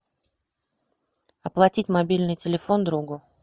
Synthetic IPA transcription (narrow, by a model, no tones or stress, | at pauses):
ɐplˠɐtʲitʲmɐbʲilʲnɨjtʲɪlʲɪfo̞nd̪ɾuɡʊ